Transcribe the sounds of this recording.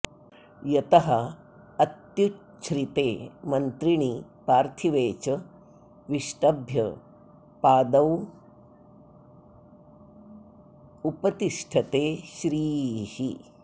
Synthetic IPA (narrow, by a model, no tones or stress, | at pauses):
jɐt̪ɐɦɐ | ɐt̪ju | t͡ʃʰɾit̪eːmɐnt̪ɾiɳ̃ipaːɾt̪ʰiʋeːt͡ʃɐ | ʋiʃʈɐbʱjɐ | paːd̪ɐw | upɐt̪iʂʈʰɐt̪eːʃɾiːhi